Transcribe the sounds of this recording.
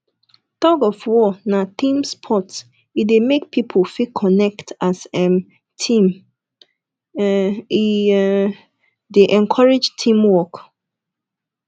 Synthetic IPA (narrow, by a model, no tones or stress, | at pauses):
t̪ɔkɔfwɔnatĩmspʰɔts | idemek̚pʰipʰofikʰːɔnɛktʰasɛ̃m | tʰĩm | i | deʔɛ̃nkʰɔɹed͡ʒtʰĩmwɔk